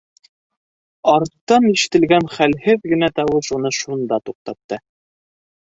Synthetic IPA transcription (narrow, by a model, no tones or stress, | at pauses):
ɑɾt̪ːɑniʃɘ̥̆t̪ɘ̆lɡænχælhɘðɡɘ̆næt̪ɑwɤʃunɤʃund̪ɑt̪uq̚t̪ɑp̚t̪ɤ